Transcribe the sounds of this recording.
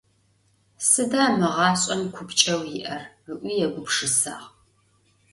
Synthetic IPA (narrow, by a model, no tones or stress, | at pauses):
sɨdaːmɨʁɑːɕʼɐmkʷʰʊpt͡ʃʼɐwjɪʔɐr | ɨʔʷiːjɛɡʷʊpʂɨsa̰ːʁ